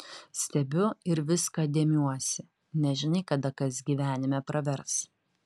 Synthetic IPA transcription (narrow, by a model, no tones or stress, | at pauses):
sʲt̪ʲɛbʲʊɪɾʋʲɪskɐːd̪ʲeːmʲuɔsʲɪ | nʲɛʒʲɪnɐɪkɐd̪ɐkɐsɡʲiːʋʲæːnʲɪmʲɛpɾɐʋʲɛɾs